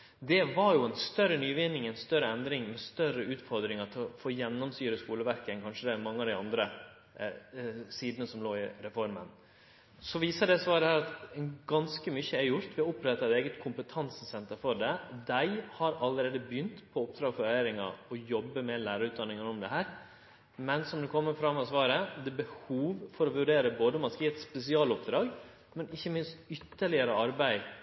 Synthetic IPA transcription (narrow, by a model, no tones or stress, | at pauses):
d̪ɛʋɑɾjʊɛnst̪œɾːənyːʋɪnɪŋɛnst̪œɾəɛnd̪ɾɪŋmɛst̪œɾəʉːt̪fɔɾd̪ɾɪŋɑt̪ʰɪɔfoːjɛnːɔmst̪yːɾəskuːləʋæɾkəɛnkʰɑnʂəd̪ɛmɑŋːəɑd̪æɪɑnd̪ɾə | siːd̪ənəsɔmloːɪɾɛfɔɾmə̰n | sɔʋiːsəɖɛsʋɑːɾəhæːɾɑt̪ɡɑnskəmyçəɛɾjʊɾt̪ʋɪɑʊpɾɛt̪ːɑɛt̪eːɡət̪kʰʊmpət̪ʰɑnssɛnt̪əɾfɔɖɛd̪æɪhɑɾɑləɾeːd̪əbjʏnt̪pʰɔɔp̚d̪ɾɑːɡfɔɾeːɾɪŋɑ̰ɔjɔbːəmɛnlæːɾəɾʉːt̪̚d̪ɑnːɪŋənɔmd̪ɛɦæːɾ | mɛnsɔmd̪ɛkʰɔmːəɾfɾɑmːɔsʋɑːɾəd̪ɛbəhuːʋfɔɾɔʋʉɖeːɾəboːd̪əmɑnskiːɛt̪spɛsɪɑːlɔpd̪ɾɑːɡ | mɛnɪçːəmɪnst̪ʏt̪ːəɭɪəɾəɑɾbæɪ